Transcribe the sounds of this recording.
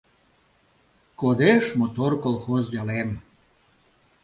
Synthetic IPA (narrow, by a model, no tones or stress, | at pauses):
kod̪eʃmot̪orkolˠxozdʲɑlem